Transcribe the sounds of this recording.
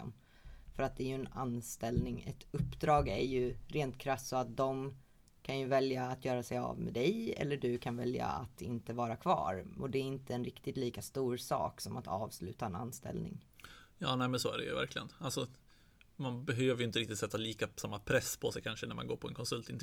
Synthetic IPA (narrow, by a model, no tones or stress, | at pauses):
fœɾat̪̚d̪ɛæɾjɵɛnanst̪ɛlnɪŋɛ̰t̪ɵpːd̪ɾɑːɡæɾjɵɾeːnt̪kʰɾasːɔat̪̚d̪ɔm | kʰanjɵvɛljaːt̪ʰjœːɾasɛja̰vmɛ̰ːd̪ɛjɛ̰lːəɖɵkʰanvɛlja̰at̪ʰɪnt̪əvɑːɾakʰv̥ɑ̰ːɾɔd̪ɛːɾɪnt̪ʰəɛnɾɪkt̪ɪt̪liːkast̪uːɾsɑ̰ːksɔmat̪ʰɑːvslʉ̟ːt̪aɛna̰nːst̪ɛ̰lnɪ̰ŋjɑːnɛːmɛnsoæ̰ɖɛ̰jɵ̰væ̰ɾkʰlɪɡənalsɔ | manbɛɦøːvəɾjʏɪnt̪əɾɪk̚t̪ɪt̪sɛt̪ːaliːkasamːapʰɾɛspʰɔsɛjkʰanʂənæɾmanɡoːɾpʰɔɛnkʰɔnsɵlt̪ɪnt̪